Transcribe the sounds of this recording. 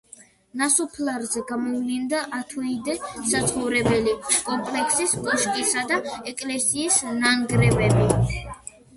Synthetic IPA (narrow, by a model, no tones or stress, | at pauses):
nasupʰlaɾzɛɡamɔvlind̪aʔat̪ʰunid̪ɛsat̪sʰχɔvɾɛbɛlikʼɔmpʰlɛkʰsiskʼɔʃkʼisad̪aɛkʼlɛsiːsnaŋɡɾɛbɛbi